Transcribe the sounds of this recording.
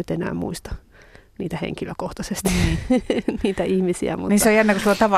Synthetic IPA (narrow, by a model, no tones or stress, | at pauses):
yt̪enæ̰ːmmṵist̪ɑ̥ | niːt̪æhḛŋkiløkoht̪ɑsest̪i̥ | niːt̪æihmisiæ̰muniseojænːekusilːot̪ɑʋɑ